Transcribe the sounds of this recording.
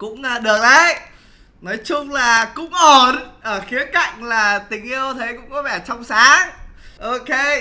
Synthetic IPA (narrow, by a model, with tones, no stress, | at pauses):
kʊ̰˧˥ŋ͡mɗɨ˨˩ək̚laə˧˩j | nɔ˨˦jt͡ɕʊ˧ŋ͡mlaː˨˩kʊ̰˧˥ŋ͡mʔo˨˩nʔəː˧˩xi˨˦əka̰˧˨jŋ̟laː˨˩t̪ï˨˩ŋ̟ʔi˧əwt̪ʰe˨˦jkʊ̰˧˥ŋ͡mkɔ˨˦vɛ˧˩t͡ɕɔ˧wŋ͡msaː˨˦ŋʔo˧ke˧